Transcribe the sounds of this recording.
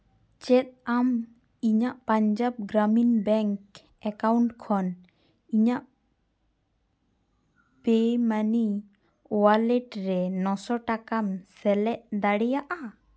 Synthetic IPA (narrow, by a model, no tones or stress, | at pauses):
t͡ʃɛt̪̚am | iɲaʔpaɲd͡ʒab̚ɡɾaminbɛŋk | ɛkawɳʈkʰɔn | iɲaʔ | pemani | ɔwalɛʈɾɛnɔsɔʈakamsɛlɛʔd̪aɽɛjaʔa